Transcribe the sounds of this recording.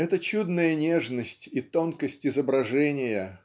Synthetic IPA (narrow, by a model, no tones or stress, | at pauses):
ɛt̪ət͡ɕud̪nəjənʲe̞ʐnəsʲtʲit̪onkəsʲtʲɪzəbɾɐʐɛnʲɪjə